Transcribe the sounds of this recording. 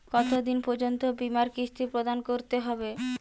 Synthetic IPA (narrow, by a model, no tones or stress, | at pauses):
kɔt̪od̪inpoɾd͡ʑont̪obimaɾkɾist̪ʰipɾod̪ankoɾt̪eɦɔbe